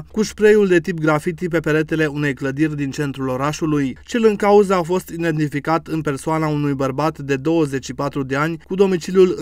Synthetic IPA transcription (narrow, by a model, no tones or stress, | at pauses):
kuʃpɾejuld̪e̞t̪ip̚ɡɾafit̪ip̬e̞pele̞t̪e̞le̞une̞jkləd̪irʲd̪int͡ʃe̞nt̪ɾulo̞ɾaʃulujt͡ʃelɨŋkauzəafo̞st̪id̪e̞nt̪ifikat̪ɨnpe̞rsuʊanaunujbərbat̪d̪e̞d̪o̞wəze̞t͡ʃʃipat̪ɾud̪e̞anʲkud̪o̞mit͡ʃiljul